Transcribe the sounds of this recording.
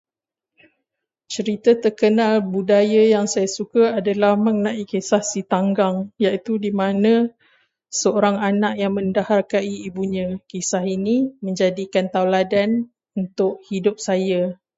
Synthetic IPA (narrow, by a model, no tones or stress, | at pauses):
t͡ʃəɾit̪ət̪ərkənalbudajajaŋsajasukaadalahmə̃ŋənãʔikesahsit̪aŋɡaŋjaʔit̪udimãnã | səoɾaŋanaʔjaŋmə̃ndaharkaiːbuɲãkisaɦiniməɲd͡ʒadikant̪awladan | unt̪ʊʔhidʊp̚saja